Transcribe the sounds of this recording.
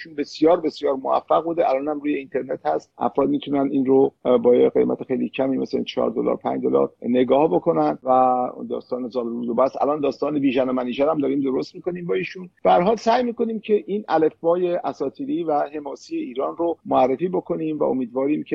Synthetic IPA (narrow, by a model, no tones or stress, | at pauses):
iʃunbe̞sijɒːɾbe̞sjɒːɾmoæ̰fːæɣbuːd̪eælɒːnhæmɾuːje̞int̪ʰe̞ɾne̞t̪hæst̪ʔæ̰fɾɒːd̪̚miːt̪ʰunænd̪iːnɾobɒːjḛɡḛmʔæ̰t̪ʰexejlicʰæmiːmesleḭnt͡ʃʰɒ̰ːɾd̪o̰lɒ̰ːɾpʰæ̰nd͡ʒd̪olɒ̰ɾne̞ɡɒːhbo̞kʰo̞nænd̪væd̪ɒ̰ːst̪ɒːnezɒːlɾud̪obæsæ̰lɒːnd̪ɒːst̪ɒːnebiːʒænomæniːd͡ʒæɾæmd̪ɒːɾiːmd̪o̞ɾost̪̚miːko̞niːmbɒːiːʃunb̥ææɾɦɒːlsæːjmiːko̞niːmcʰe̞ʔinʔæle̞fbɒːje̞ʔæsɒːt̪ʰiːɾiːvæhe̞mɒːsiːje̞iːɾɒːnɾomoærːefiːbokʰo̞niːmvæ̰o̞̰miːd̪vɒːɾiːmcʰe